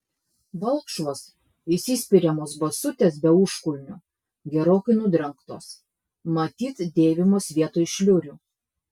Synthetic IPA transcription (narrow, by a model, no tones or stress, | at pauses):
ʋɐlˠkʃʋoːs | ɪsʲɪsʲpʲɪɾʲɛmoːsbɐsʊt̪ʲeːsbʲɛʊʃkʊlʲnʲʊ | ɡʲɛɾoːkɐɪnʊd̪ɾɐŋkt̪oːs | mɐt̪ʲiːt̪sd̪ʲeːʋʲɪmoːsʋʲiɛt̪oːjʃʲlʲʊɾʲuː